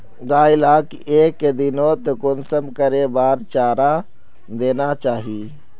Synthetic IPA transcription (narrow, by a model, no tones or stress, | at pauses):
ɡaːilaːk | eːkd̪inot̪ekonsəmkəɾebaːɾt͡ʃaːɾa | d̪eːnat͡ʃaːɦi